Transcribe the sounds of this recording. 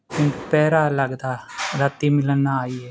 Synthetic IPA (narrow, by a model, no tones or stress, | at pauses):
kɪnpɛːɾaːləɡd̪aːɾət̪imɪlnːaaːiɛː